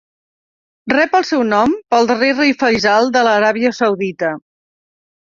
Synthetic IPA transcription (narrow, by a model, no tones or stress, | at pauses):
rɛpəlˠsɛwnɔmpəlˠd̪ərerijfəjzalˠd̪ələɾaβiəsəwðit̪ə